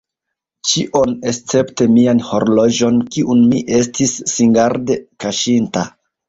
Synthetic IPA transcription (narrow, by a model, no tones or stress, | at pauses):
t͡ʃiʔo̞nest͡se̞pte̞mianho̞ɾlo̞d͡ʒo̞nkiʔunmiʔe̞stʰisːiŋɡaɾde̞kaʃinta